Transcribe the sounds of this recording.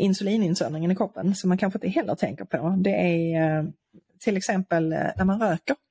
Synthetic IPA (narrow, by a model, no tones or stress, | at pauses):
ʔɪnsʉliːnɪnsœ̰nɪŋənɪkʰɔpːənsɔmːankʰanɧəɪnt̪əɦɛlːə̰t̪ʰɛ̰ŋkəɾpʰɔd̪ɛʔæɾ | t̪ʰɪlɛksɛmpəlnæɾmanɾøːkəɾ